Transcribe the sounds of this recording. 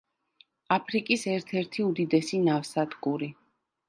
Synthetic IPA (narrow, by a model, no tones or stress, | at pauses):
apʰɾikʼisɛɾt̪ʰɛɾt̪ʰiud̪id̪ɛsinafsad̪kʼuɾi